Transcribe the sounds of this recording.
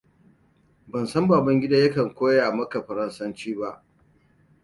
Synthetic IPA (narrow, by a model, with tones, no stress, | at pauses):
bɐ˨nsɐ˦mbaː˨bɐ˦ŋɡʲɪ˦daː˦jɐ˦kɐ˨ŋkʷoː˦jaː˨mɐ˦ka˨ɸɐ˨ɾɐ˦nsɐ˦nt͡ʃiː˦ba˦ʔ